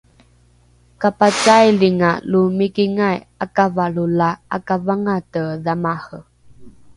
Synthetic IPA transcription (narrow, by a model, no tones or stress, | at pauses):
kapat͡ʃajliŋalumikiŋaj | akavaɭulaakavaŋatəðamahə